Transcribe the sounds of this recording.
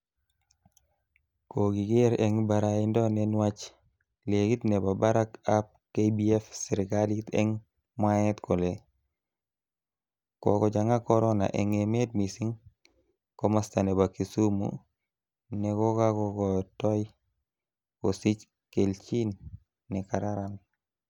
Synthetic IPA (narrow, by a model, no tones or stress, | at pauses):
koɡiɡeɾɛŋbaɾaindɔnɛnwat͡ʃ | lekit̪nɛbabaɾakap̚kebiɛfsiɾkalit̪ɛ̰ŋ | mwaɛt̪kɔle | kɔkɔd͡ʒaŋakɔɾɔna̰ʔɛŋemet̚misiŋ | komastanebakisumṵ | nɛkɔkakɔkɔtɔj | kosit͡ʃ | kelt͡ʃinː | ɛkaɾaɾam